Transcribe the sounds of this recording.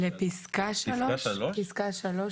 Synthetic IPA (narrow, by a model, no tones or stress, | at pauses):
lepiskaʃaloʃpiskaʃalo